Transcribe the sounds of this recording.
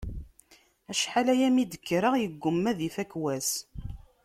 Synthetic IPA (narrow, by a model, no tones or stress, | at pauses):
æʃħalæjæmid̪əkːɾəʁjəɡːəmːæðifækwæs